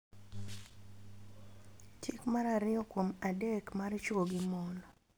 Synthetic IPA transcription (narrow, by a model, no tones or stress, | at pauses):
t͡ʃɪkmaɾaɾɪɔkwomadekmaɾt͡ʃwoɡɪmɔnɔ